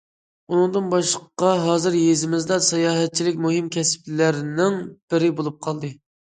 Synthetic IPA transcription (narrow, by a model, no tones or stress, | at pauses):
unɨŋd̪ɨnbɑʃlˠəqqɑɦɑːzɨɾjezɪmɪzd̪ɑsɑjɑːɦɛt̪̚t͡ʃʰilɪkʲmuɦɪmkʲʰɛsplæɾnɪŋb̥ɪɾɪbolˠup̚qʰɑlˠd̪ɨ